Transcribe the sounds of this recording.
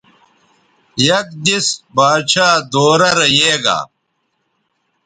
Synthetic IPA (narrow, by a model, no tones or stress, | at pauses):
jɐk̚d̪isbaːd̪ɕaːd̪oːɾɐɾɐjeːɡa̰ː